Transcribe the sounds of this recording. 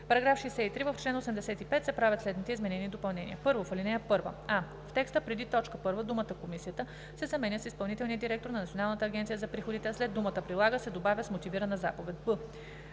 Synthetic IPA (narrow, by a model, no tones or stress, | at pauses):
pɐɾɐɡɾafʃɛːsɛit̪ɾivəft͡ʃlɛnosɛmd̪ɛsɛt̪ipɛt̪sɛpɾavʲət̪slɛd̪nit̪ɛizmɛnɛniːd̪opɐlˠnɛnḭjəpɤɾvofɐlinɛjəpɤɾvə̰a | ft̪ɛkst̪əpɾɛd̪it̪ɔt͡ʃkəpɤɾvəd̪umət̪əkomisijət̪ə | sɛzɐmɛnʲəsispɐlˠnit̪ɛlˠniəd̪iɾɛk̚t̪oɾnɐnɐt̪sʲionalˠnət̪əːɡʲɛnt̪siəzɐpɾixod̪it̪ɛaslɛd̪umət̪əpɾilˠaɡəsɛd̪obavʲəsmot̪iviɾənəzapovɛt̪̚bɤ